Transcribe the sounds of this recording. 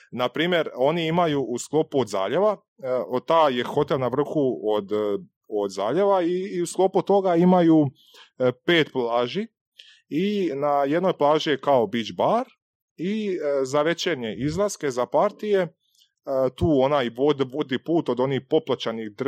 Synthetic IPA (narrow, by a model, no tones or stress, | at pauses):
napɾiːmje̞ɾo̞niimajuʔusklo̞puod̪za̰ːʎe̞ʋa | t̪aːje̞xo̞t̪e̞lˠnaʋr̩xuod̪ | od̪za̰ːʎe̞ʋaiusklo̞put̪o̞ɡaimajuː | pe̞ːt̪plˠaːʒi | inaje̞d̪no̞jplˠaːʒijekao̞bid͡ʒbaɾ | izaʋe̞t͡ʃeɾɲe̞ʔizlˠaske̞zapaɾt̪ije̞ | t̪uːonajod̪ʋod̪ipuːt̪o̞d̪o̞nixpo̞plat͡ɕanixd̪r